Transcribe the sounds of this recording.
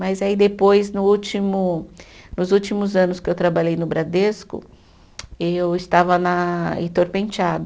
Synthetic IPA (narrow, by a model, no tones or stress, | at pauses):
mɐzaid̪epojznʊut͡ʃimʊnʊzut͡ʃimʊzɐ̃nʊskɪewt̪ɾabaʎejnʊbɾad̪eskʊ̰ | ewɪst̪avɐnɐḛ̃t̪oɾpẽnt͡ʃad̪ɐ